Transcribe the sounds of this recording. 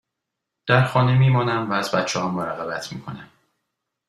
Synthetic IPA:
d̪̥æɾxɒːne̞miːmɒːnæmvæːzbæt̪t͡ʃʰːehɒːmoɾæɣæbæt̪ʰmḭːkʰo̞̰næm

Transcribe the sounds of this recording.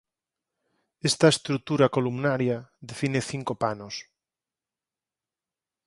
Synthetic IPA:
est̪aest̪ɾut̪uɾakolumnaɾjaðefineθiŋkopanos

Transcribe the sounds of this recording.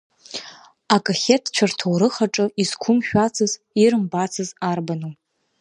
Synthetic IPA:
akʼaχʲetʰt͡ʃʷʰartʰowɾɨχaʈ͡ʂʼɨizkʷʰʊmʃᶣat͡sʰɨz | iɾɨmbat͡sʰɨzarbanu

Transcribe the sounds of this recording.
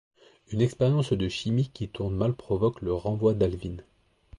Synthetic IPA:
ynɛkspɛʁjɑ̃sd̪əʃimikʲːit̪uʁnmalpχɔvɔkləʁɑ̃vwad̪alvin

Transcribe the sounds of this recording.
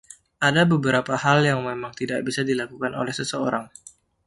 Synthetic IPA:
ʔadabəbəɾapahaljaŋmemaŋt̪idaʔ̚bisadilakukano̰lɛhsəsəoɾaŋ

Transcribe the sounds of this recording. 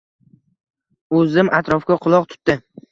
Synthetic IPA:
ɵzɪmʔat̪ɾɒfkʲaqʰʊlˠɒq̚t̪ʰʊ̥t̪d̪ɪ

